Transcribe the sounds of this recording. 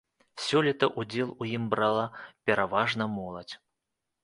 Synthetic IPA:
sʲɔlʲit̪ɐʔud͡zʲɛlˠujimbɾalˠɐpʲɛɾavaʐnɐmɔlˠɐt͡sʲ

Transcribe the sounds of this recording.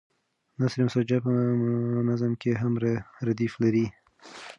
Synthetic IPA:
nasɾemsad͡ʒapənazamkeɦamɾaɾad̪iflaɾi

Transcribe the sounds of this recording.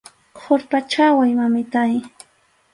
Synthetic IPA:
kʰoɾpat͡ʃawajmamɪt̪aj

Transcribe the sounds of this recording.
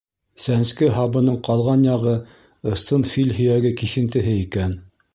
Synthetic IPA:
sænskɘɦɑbɤ̆nɤɴqɑlˠʁɑnjɑʁɤ | ɤ̆st̪ɤnfilʲɦɵ̆jæɡɘkiʃɘ̆nt̪ɘ̆ɦɘikæn

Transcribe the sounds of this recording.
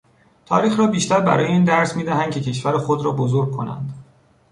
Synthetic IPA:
t̪ʰɒ̰ːɾiːxɾɒːbiːʃt̪æɾbæ̰ɾɒːjeiːnd̪æɾsmiːd̪æɦæn̚cʰecʰe̞ʃvæɾexod̪ɾɒːbozoɾɡ̚kʰo̞næ̰nd̪̥

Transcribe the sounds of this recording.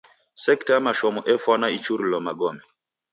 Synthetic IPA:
sɛktaamaʃɔmɔʔɛfwanait͡ʃuɾilɔmaɡɔmɛ

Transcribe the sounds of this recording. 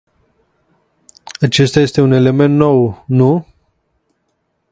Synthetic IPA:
at͡ʃe̞st̪aje̞st̪e̞une̞le̞me̞nt̪no̞wnu

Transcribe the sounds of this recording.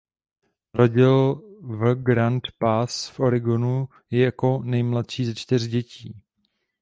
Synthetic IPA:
ɾoɟɪlv̩ɡɾant̪pasfʔo̞ɾɪɡonu | jɛjako̞nɛjmlat̪ʃiːzɛt͡ʃt̪ɪr̝ɟɛciː

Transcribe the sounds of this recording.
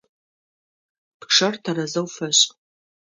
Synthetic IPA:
pʂɐrtʰɐrɐzɐwfɐɕʼ

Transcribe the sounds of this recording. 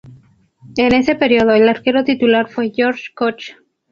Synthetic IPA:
e̞ne̞se̞pe̞ɾjoðoelaɾke̞ɾo̞t̪it̪ulaɾfwe̞ʝoɾʃkot͡ʃ

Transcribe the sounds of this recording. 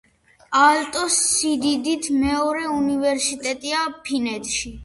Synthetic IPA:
alt̪ʼɔsːid̪id̪it̪ʰmɛɔɾɛunivɛɾsit̪ʼɛt̪ʼiapʰinɛt̪ʰʼʃi

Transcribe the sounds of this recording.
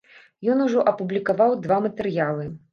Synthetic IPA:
jɔnuʐɔʔɐpublʲikavawd̪vamɐt̪ɛɾjalˠɨ

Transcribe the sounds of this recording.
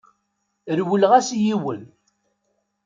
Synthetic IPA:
ɾwəlʁæsjiwən

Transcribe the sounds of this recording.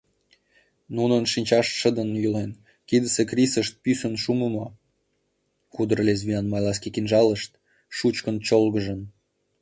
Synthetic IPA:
nunənʃinʲt͡ɕɑʃʃə̆d̪ənjulen | kid̪əsekrʲisəʃt̪̚pysə̆nʃuməmɑ | xud̪ərlez̬βiɑnmɑjlɑs̬kekinʒɑləʃt̪ | ʃut͡ɕkənt͡ɕolɣə̆ʒə̆n

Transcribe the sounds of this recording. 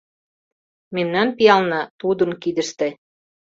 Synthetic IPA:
memnænpijɑlnɑt̪ud̪ɤ̆nkid̪ɘ̆ʃt̪ĕ

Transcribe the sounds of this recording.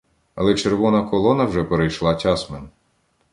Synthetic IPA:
ɐlˠɛt͡ʃeɾʋɔnɐkɔlˠɔnɐwʒɛpeɾejʃlˠɑtʲasmen

